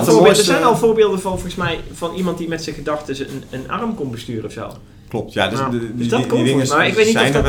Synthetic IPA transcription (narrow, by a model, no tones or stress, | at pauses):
oːɹbɪldəzɛjnɔlˠvoːɹbɪːlˠdəvɑnfrəsmɛjv̥ɑnimɑntdimɛtsɪɣədɑxtəsənənɑ̰rəmkɔnbəstyːrəɔfso̰ː | klɔp̚tja̰ddøsdɔkkɪənawɪkʋeːtnifdɔ